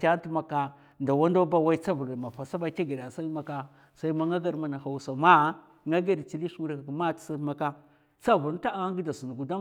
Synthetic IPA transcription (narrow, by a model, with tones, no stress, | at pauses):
ka˦tu˦ma˨ka˦ | nda˨wa˦ndo˦ba˦wa˦i˦t͡sa˦vu˨ɾma˨fa˨sa˦ɓa˦ka˦ɡi˨da˨sa˦i˦ma˨ka˦ | sa˦i˦ma˦ŋa˦ɡa˦ɾma˨na˨ha˨u˨sa˨ma˦ | ŋa˦ɡa˦ɾt͡ʃi˦li˦ʃmu˦ɾa˨kma˦tsa˦ma˨ka˦ | t͡sa˦vu˨ɾta˦a˨˦ɡi˦da˨su˨n˨ɡu˨da˦